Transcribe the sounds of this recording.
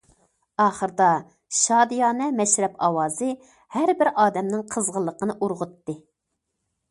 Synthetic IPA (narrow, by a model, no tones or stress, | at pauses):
ɑːχəɾɨd̪ɑ | ʃɑːd̪ɨjɑːnɛmɛʃɾɛpɑwɑːzɨ | hæɾbɪɾɑːd̪ɛmnɪŋqʰəzʁəlˠːəqʰənɨʔuɾʁʊt̪ːɨ